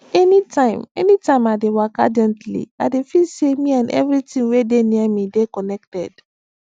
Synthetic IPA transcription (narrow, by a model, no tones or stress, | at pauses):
ɛnitʰãɪ̃mɛ̰nitãɪ̃madewaka̰d͡ʒɛ̃ntlḭa̰defisemĩãnɛ̰vɾitĩŋwedenĩamĩdekɔnɛk̚tɛd̥